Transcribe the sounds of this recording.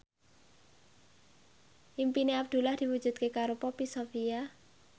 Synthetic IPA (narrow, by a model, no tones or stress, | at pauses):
ʔimpineab̚d̪̥ṳlahd̪̥i̤wud̥ʒ̥ṳd̪̚kekaɾopɔpisofia